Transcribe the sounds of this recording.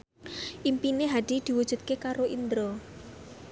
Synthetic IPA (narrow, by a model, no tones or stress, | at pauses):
ʔimpineɦad̪̥i̤d̪̥i̤wud̥ʒ̥ṳt̪̚kekaɾoʔind̪ɾɔ